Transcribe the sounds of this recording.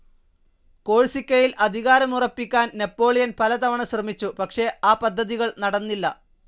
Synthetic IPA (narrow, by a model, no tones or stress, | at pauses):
ko̞ːɻsikʲːɐjilʔɐd̪ʱiɣaːɾɐmurɐpːikʲːaːnnepːo̞ːɭijɐnpɐlɐt̪ɐʋɐɳɐɕrɐmit͡ɕːupɐkʂe̞aːpɐd̪ʱːɐðiɣɐɭnɐɽɐnːilːɐ